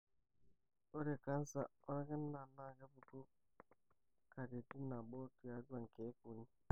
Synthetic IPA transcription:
o˦ɾe˨ka˦n˦sa˦ɔ˦ɾa˦kɛ˦n˦na˨na˦˨ɡa˦bu˨ko˦ | ka˨de˨ti˦na˨ɓo˦ti˨a˨˦dwa˨ŋ̩˨ke˨˦ku˨ni˦

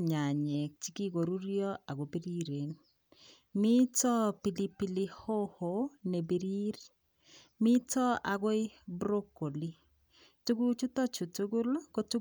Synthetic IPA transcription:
ɲa˨ɲɛ˨k̚t͡ʃi˦ki˦ɡo˨ɾu˦ɾjɔ˦ʔa˨ɡo˨bi˦ɾi˦ɾe˨n | mi˦tɔ˦pi˨li˦pi˦li˦ho˦ho˨˦ne˨be˨ɾi˦ɾ | mɪ˦tɔ˦a˨ɡo˦ɪ˦bɾo˦kːo˨li˦ | tu˦ɡu˦t͡ʃu˦tɔ˦t͡ʃu˨tu˦ɡu˦lko˦tu˦

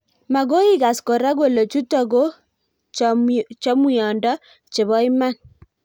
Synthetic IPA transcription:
ma˨ɣo˦i˦ɣa˨sko˨ɾa˦ɣo˦lo˨t͡ʃu˦tɔ˨ɣo˦ | t͡ʃɔ˦mwi˨ɔ˨ndɔ˦ | t͡ʃe˨βɔ˦i˦ma˦˨n

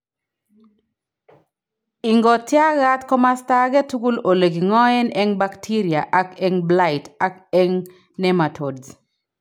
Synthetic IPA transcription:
i˨ŋɡɔ˨tja˦ɣa˦t̪kɔ˦masta˦ɡɛ˦t̪u˦ɡu˦lo˨le˨ɡi˨ŋɔ˦ɛ˦nɛ˦ŋbaktʰi˦ɾja˨ʔa˨kɛŋbla˦ɪta˦kɛŋ | nɛ˦ma˨tʰo˨dz

